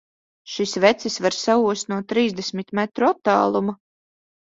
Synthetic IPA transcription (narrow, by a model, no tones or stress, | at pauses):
ʃisvɛt̪sisvaɾsauːst̪nuɔt̪ːɾiːzd̪ɛsmit̪mɛt̪ɾuat̪ːaːlˠuma